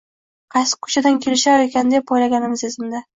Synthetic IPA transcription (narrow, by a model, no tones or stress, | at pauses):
qʰɑjsɪ̥kʰːʊ̥t͡ʃad̪ankʲʰe̞lɪʃaekʲand̪epojlaɡʲanɪmɪzezɪmd̪a